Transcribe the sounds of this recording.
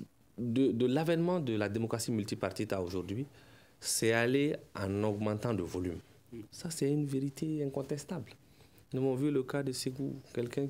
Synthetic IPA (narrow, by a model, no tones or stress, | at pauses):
d̪əd̪əlavɛnmɑ̃d̪əlad̪emokʁasimylt̪ipaʁt̪it̪aoʒuʁd̪ɥi | sɛaleɑ̰̃nɔɡmɑ̃t̪ɑ̃d̪əvolym | sasɛynveʁit̪ʰeɛ̃kɔ̃t̪ɛst̪abl | nuvɔ̃vyləkad̪əseɡukɛlkɛ̃